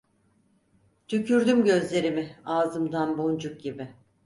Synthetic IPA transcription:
t̪ʰycʰyɾd̪ymɟø̞zlʲe̞ɾimɪaːzɯmd̪anbond͡ʒuk̚ɟibɪ

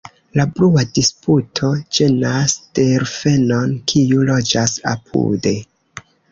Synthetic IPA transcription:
labluadisputʰo̞d͡ʒe̞nasd̥e̞ɾfe̞no̞nkʰiulo̞d͡ʒasa̰pʰṵde̞

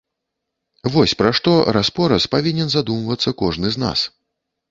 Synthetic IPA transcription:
vɔsʲpɾaʂt̪ɔɾaspɔɾɐspavʲinʲɛnzad̪umvɐt̪sːɐkɔʐnɨzna̰s

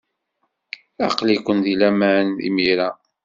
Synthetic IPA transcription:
ɑ̰qlikʷːənd̪ilæmænḭmiɾa

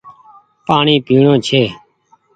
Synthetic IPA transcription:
paːɳiːpiːɳõːt͡ʃʰeː

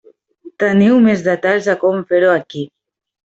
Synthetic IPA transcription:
t̪aniwmezðat̪aʎzakomfeɾoaki

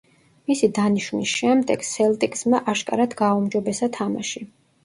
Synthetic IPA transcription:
misid̪aniʃwnisʃɛmd̪ɛɡ̥sɛlt̪ʼikʼsmaʔaʃkʼa̰ɾad̪ɡaumd͡ʒɔbɛsat̪ʰama̰ʃi

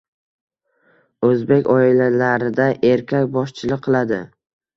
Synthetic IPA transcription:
ɵzbe̞kʲɒɪlalaɾɪd̪aʔeɾkʲʰakʲbɒʃt͡ʃʰɪlˠɨqʰːɨlˠad̪ɪ

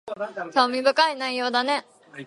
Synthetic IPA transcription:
somʲibɯkainaijod̪ane

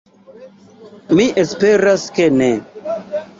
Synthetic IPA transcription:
miʔespeɾaskene

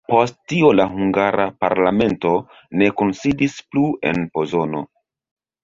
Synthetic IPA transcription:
po̞st̚tio̞laɦuŋɡaɾʔapaɾlame̞nto̞ | ne̞konsidisplue̞̰npo̞zo̞no̞̰

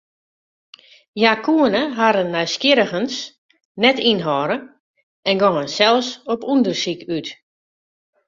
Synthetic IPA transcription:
jakʰuənəɦaɾənːœɥskɪɾəɣəns | nɛtinɦɔɾə | ɛnɡɔŋənsɛlˠsɔpundərsikyt

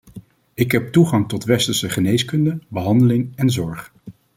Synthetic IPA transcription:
ɪkɦɛp̚tuχɑŋtɔtʋɛstəɹsəχənejskɵndəbəɦɑndəlɪŋɛnzɔɹχ

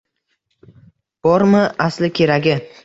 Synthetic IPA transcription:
b̥ɒɾmɪʔaslɪkʲʰe̞ɾaɡʲɪ

